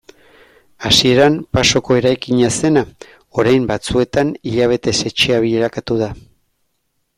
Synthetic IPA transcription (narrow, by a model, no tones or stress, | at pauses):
asie̞ɾampaso̞ko̞e̞ɾajkiɲase̞na | o̞ɾajmbat͡sue̞t̪aniʎaβ̞e̞t̪e̞se̞t͡ʃiaβ̞iʎeɾakat̪uð̞a